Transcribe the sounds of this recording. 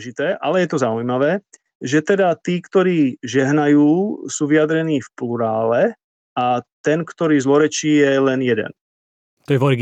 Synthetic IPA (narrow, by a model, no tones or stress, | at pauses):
ʒit̪ɛːʔalɛjɛt̪ɔzaujmaʋɛː | ʒɛt̪ɛd̪at̪iːkt̪ɔɾiːʒɛɦnajuːsuːʋijad̪ɾɛniːfpluɾaːlɛ | at̪ɛnkt̪ɔɾiːzlɔɾɛt͡ʃiːjɛlɛnjɛd̪ɛ̰n | t̪ɔjɛvɔɾɡ